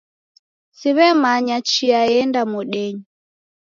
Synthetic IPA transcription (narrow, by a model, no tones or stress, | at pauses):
siβɛmaɲat͡ʃiaɛndamuɗɛɲi